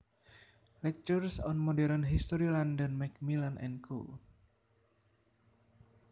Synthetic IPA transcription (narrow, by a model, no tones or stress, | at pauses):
lɛk̚t͡ʃursɔnmɔdɛɾənɦist̪ɔɾilandənmɛk̚milanʔɛ̰nkʰṵl